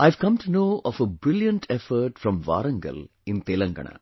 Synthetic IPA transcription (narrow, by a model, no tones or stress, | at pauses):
aɪʋkɐ̃mʈunoːʔɔfəbɾɪljə̃ɳʈʰefəɾʈfɾɔ̃mʋa̰ːɾɐ̃ŋɡə̰l | ɪ̃nt̪eːlɐ̃ŋɡɐ̰ɳa̰